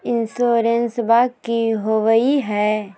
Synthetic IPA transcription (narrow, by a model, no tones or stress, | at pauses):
ɪnsoːɾensbaːkkːiɦoʋəiɦɛː